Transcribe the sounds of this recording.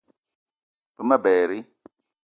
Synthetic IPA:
pə˦ma˦bɛː˨ɾi˦

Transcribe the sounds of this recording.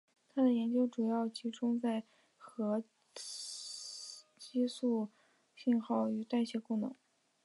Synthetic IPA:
t̪ʰa˥d̪ə˨jɛ˧˥nt͡ɕjo˥ʊʈ͡ʂu˨˩jɑ˥˩ʊt͡ɕi˧˥ʈ͡ʂʊ˥ŋt͡sa˥˩ɪ | xɤ˧˥ | t͡ɕi˥su˥˩ | ɕi˥˧nxɑ˥˩ʊy˧˥t̪a˥˩ɪɕjɛ˧˥kʊ˥˩nɤ̰˧˥ŋ

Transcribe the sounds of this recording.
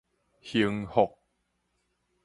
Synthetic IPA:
hi˨˩əŋho˨˩k̚

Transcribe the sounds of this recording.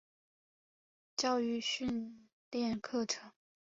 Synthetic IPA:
t͡ɕjɑ˥˧ʊy˥˧ɕy˥˧n | t̪jɛ˥˧nkʰɤ˥˩ʈ͡ʂʰɤ˧˥˦ŋ

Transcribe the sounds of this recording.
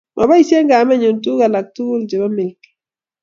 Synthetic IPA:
mʔa˨ba˦i˦sɛ˦ŋɡa˨mɛ˦ɲo˨ntu˦ka˨la˨k̚tu˦ld͡ʒɛ˨ba˦mɪ˨lk

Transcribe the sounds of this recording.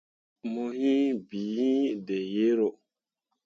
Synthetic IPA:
mo˧ɦĩ˦biː˨˦hĩ˦de˨je˦ɾo˨

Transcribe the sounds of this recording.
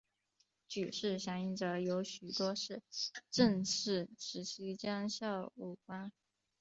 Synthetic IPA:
t͡ɕy˨˩ʂɻ̩˥˩ɕjɑ˧˥ŋi˧˥ŋʈ͡ʂɤ˧˥jo˧˥ʊɕy˨˩t̪wɔ˥ʂɻ̩˥˩ʈ͡ʂə˥˧ŋʂɻ̩˥˩ʂɻ̩˧˥ɕi˥t͡ɕjɑ˥ŋɕjɑ˥˧ʊu˥˩kwa˥n

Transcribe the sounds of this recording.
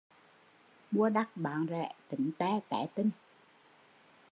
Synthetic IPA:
ɓu˧əɗa˦˥k̚ɓaː˨˦nzɛ̰˧˨t̪ï˨˩˦ŋ̟t̪ɛː˧˩t̪ɛ̰ː˧˨˦t̪i˧ŋ

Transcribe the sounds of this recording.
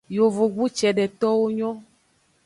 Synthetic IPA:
jo˨vo˨ɡu˦t͡ʃɛ˨ɖɛ˨t̪ɔ˦wo˦ɲɔ̃˦

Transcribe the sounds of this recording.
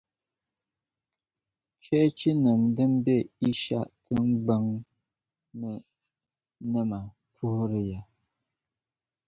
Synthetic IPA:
t͡ʃɛ˦t͡ʃi˦nə˨mdɨ˦m˦be˦˨i˦ʃa̰˦˨ʔtʰɨ˦m̩˦ɡ͡bə˦ŋ | nə˨ | nə˦ma˨ | tu˦hɾə˨ja˨

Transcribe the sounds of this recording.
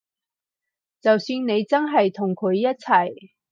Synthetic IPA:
t͡sɐ˨wsyː˧nne˨˧jt͡sɐ˥nɦɐ˨jt̪ʰʊ˨˩ŋkʰɵ˨˧ɥjɐ˥t̚t͡sʰɐ˨˩j

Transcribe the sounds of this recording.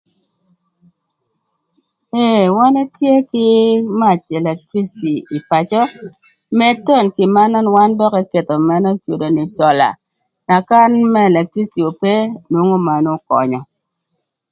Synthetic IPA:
e˨wa˦ne˦tje˦kɪ˦ma˦˨t͡ʃɛ˨lɛ˨kɾi˦sti˨i˨pa˨t͡ʃɔ˦ | mɛ˦to˦˨nkɪ˨ma˦nɔ˦nwa˦ndɔ˦kɛ˦ke˨t̪ɔ˨mɛ˦nɔ˦t͡ʃo˨do˨ni˨sɔ˨la̰˨ | na˨ka˦nmɛ˦˨lɛ˨kɾi˦sti˨o˨pe˦nwo˦ŋo˦ma˨no˦kɔ̰˨ɲɔ˨

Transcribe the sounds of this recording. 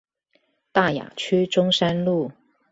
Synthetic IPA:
t̪a˥˩ja̰˨˩t͡ɕʰy˥ʈ͡ʂʊ˥ŋʂa˥nlu˥˩

